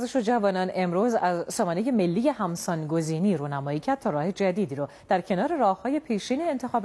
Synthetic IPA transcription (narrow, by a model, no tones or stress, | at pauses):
zeʃod͡ʒævɒːnɒne̞mɾuːzæzsɒːmɒːnejeme̞lːiːje̞hæmsɒːnɡo̞ziːniːɾuːnæmɒːicʰæɾd̪̚t̪ʰɒːɾɒːhe̞d͡ʒæd̪iːd̪iːɾod̪̥æɾcʰe̞nɒːɾe̞ɾɒːhhɒːje̞pʰiːʃiːnient̪ʰe̞xɒːb